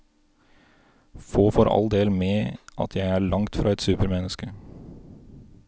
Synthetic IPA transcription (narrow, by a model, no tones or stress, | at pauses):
foːfɔːɾɑ̰ld̪eːlmeːʔɑ̰t̪ʰjæɪæːɾɭɑŋt̪fɾʔɑːɛt̪sʉːpəɾmɛnəskə